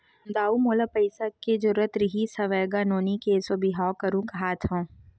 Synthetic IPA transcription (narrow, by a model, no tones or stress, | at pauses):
d̪aːumoːlapɐɪsaked͡ʒɐɾuɾət̪ɾɪɦisɐʋeːɡanoːnikesobiɦaːwkɐɾũkɐɦaːt̪ʰɦõː